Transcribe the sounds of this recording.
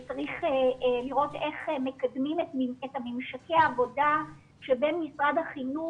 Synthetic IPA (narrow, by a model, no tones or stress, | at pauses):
t͡saʁiχeliʁo̞teχeme̞kadmimetamimʃake̞aːvo̞da | ʃebenmisʁadhaχinu